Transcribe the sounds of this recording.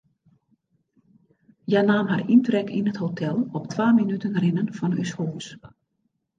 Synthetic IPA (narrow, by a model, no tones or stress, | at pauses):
janaːmɦarintrɛkʰinəthotʰɛlˠɔptʰʋaːminytənrɪnənfɔny̰shuːs